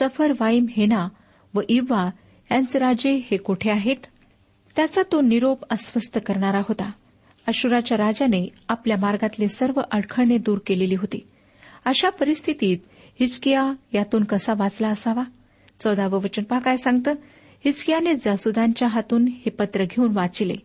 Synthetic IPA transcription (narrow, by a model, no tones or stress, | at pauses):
səfəɾʋaimɦena | ʋəʔiʋa | jant͡sɾad͡ʑehekoʈʰeaɦet̪ː | jat͡sat̪oniɾopəsʋəst̪ʰəkəɾɳaɾaɦot̪a | əɕuɾat͡ɕjaɾad͡ʑaneapljamaɾɡat̪lesəɾʋəʔəɽkʰəɽɳed̪uːɾkeleliːɦot̪i | əɕapəɾist̪ʰit̪iːt̪ | hit͡skijajat̪uːnkəsaʋat͡slaəsaʋa | t͡sɔd̪aʋəʋət͡ɕənpəɦakajsãŋɡ̚t̪əː | hit͡skijaned͡zasud̪ãɲt͡ɕjaɦat̪uːnhepət̪ɾəɡʱeuːnʋat͡silḛ